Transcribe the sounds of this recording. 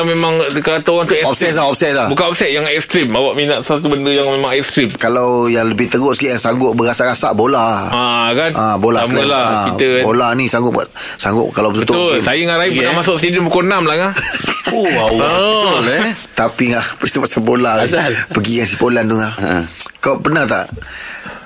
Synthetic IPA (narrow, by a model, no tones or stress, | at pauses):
memaŋdəkat̪owant̪uɔpsɛs̬laɦɔpsɛt̪lahbukanɔp̚sɛt̪̚jaŋɛkst̪ɾimawaʔminaʔst̪ubəndəjaŋmemaŋɛk̚st̪ɾimkalawjaŋləbɪht̪əɡoʔsə̥kiʔkansaŋɡʊʔ̚bəɾasaʔɾasaʔbolaakanʔabolaslalaaiəbolanisaŋɡʊt̪ʔ̚buat̪ | saŋɡʊ̰ʔkalawbət̪uət̪oʊlsajəŋaɾaiɡunamasʊʔsidəmpəkonamlaŋahoa | lt̪apiŋahpust̪umasabolapəɡikans̬ipolandʊŋahkawʔpənaht̪a̰ʔ